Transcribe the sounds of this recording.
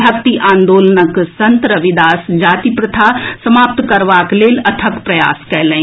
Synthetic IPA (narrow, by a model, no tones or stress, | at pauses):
ɦɐkt̪iʔãːnd̪oːlnəksɐ̃nt̪ɾəʋɪd̪aːsd͡ʒaːt̪ipɾət̪ʰasɐmaːp̚t̪kɐɾʋaːkleːlɐt̪ʰəkpɾɐja̰ːskɛɦlə̃ĩ